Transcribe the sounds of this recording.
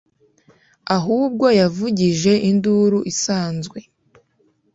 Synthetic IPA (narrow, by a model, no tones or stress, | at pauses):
aɦuːb̚ɡo̞javuɟiʒe̞ʔinduɾuʔisaːnzɡwe̞